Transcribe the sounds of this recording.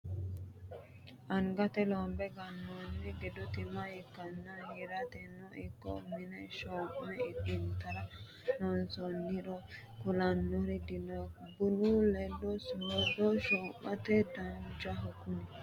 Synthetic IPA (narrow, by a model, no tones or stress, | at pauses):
ʔɐŋɡɐt̪ɛlɔːmbɛɡɐnːonːɛɡɛd̪ʊt̪ɪmaɪkːɐnːahɪɾɐt̪ɛnːɔɪkːɔ̰mɪnɛʃɔʔmɛɪɪnt̪ɐɾɐ | nɔnsɔnːɪɾɔ | kʊlɐnːɔɾɛd̪ɪnobʊnulɛlːɔsʊɾɔdɔʃɔːmːɐt̪ɛd̪ɐnd͡ʒaɦɔkʊnɛ